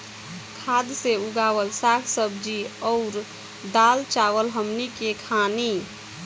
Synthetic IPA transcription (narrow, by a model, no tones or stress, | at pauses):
kʰad̪seuɡaʋəlsakʰsəbd͡ʒiɔʊɾ | d̪alt͡ʃaʋəlɦəmnikekʰani